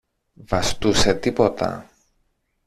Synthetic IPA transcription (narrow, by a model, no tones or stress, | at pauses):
vɐst̪use̞t̪ipo̞t̪ɐ̰